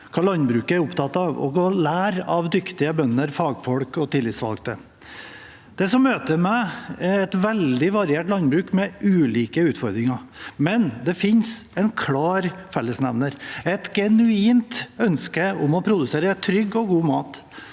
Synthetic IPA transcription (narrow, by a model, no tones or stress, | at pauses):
kʰɑːlɑnbɾʉːkəæɾʊpt̪ʰɑt̪ːɑːʋɔ̰ɡɔlæːɾɑʋd̪ʏkt̪ɪəbœnːəɾfɑːɡfɔɽkɔt̪ʰɪlːɪt̪sʋɑ̰lɡt̪ʰə | d̪̥ɛsɔmːøːt̪əmɛɪɛt̪ʋɛld̪ɪʋɑɾɪeːʈlɑnbɾʉːkmɛʔʉːliːkəʉːt̪fɔɾd̪ɾɪŋɑmɛnd̪ɛfɪnsɛnkʰlɑːɾfɛlːəsnɛʋnəɾɛt̪ɡɛnʉiːmt̪œnskəʊmɔpʰɾʊd̪ʉseːɾət̪ʰɾʏɡːɔɡuːmɑːt̪